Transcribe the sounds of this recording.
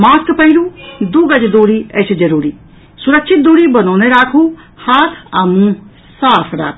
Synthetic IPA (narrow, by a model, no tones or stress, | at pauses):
maːskpəɦiluːd̪uːɡəd͡ʒd̪uːɾiːɛt͡ʃʰd͡ʒəɾuːɾiː | sʊɾəkʃʰɪt̪̚d̪uːɾiːbənɔːneɾaːkʰuː | haːt̪ʰaːmũ | saːpʰɾa̰ːkʰː